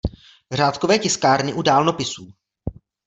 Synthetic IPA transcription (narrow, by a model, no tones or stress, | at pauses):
r̝aːt̪kovɛːcɪskaːɾnɪʔudaːlnopɪsuː